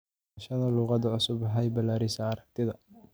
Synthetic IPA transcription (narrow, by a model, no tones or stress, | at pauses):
ʃɐnɐluːqɑðɐʕʊsʊbɐɦɐjbɐlaːɾɪsɐːɾɐk̚t̪ʰɪðɐ